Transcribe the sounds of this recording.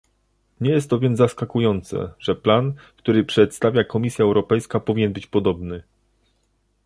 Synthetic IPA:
ɲɛjɛst̪ːɔvʲjɛnzzaskakujɔnt̪sɛ̰ʐ̥ɛplankt̪uɾɘpʂɛt̪st̪avʲjakɔmʲisʲjaɛwɾɔpɛjskapɔvʲiɲɛnbɘt͡ɕpɔd̪ɔbnɘ

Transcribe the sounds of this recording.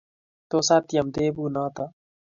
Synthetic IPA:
t̪oːsaːt̪ijɐmd̪eːbuːnɑːt̪a

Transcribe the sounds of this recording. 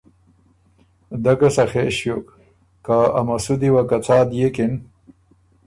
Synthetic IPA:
d̪akɐsaxeːɕjokː | aa̰mɐsud̪iwakat͡saːd̪jekɪn

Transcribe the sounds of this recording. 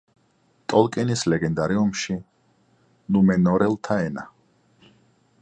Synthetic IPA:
t̪ʼɔlˠkʼɛnislɛɡɛnd̪aɾiumʃi | lumɛnɔɾɛlˠt̪ʰaɛna

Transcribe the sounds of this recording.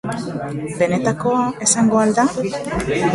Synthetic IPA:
be̞ne̞t̪ako̞ae̞saŋɡoald̪a

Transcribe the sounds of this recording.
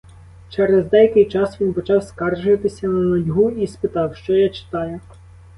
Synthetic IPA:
t͡ʃɛɾezd̪ɛjɐkɪjt͡ʃɑsʋʲinpɔt͡ʃɑwskɑrʒʊʋɐt̪ɪsʲɐnɐnɐjʲɦuispɪt̪ɑwʃt͡ʃɔjat͡ʃɪ̥t̪ɑjʊ

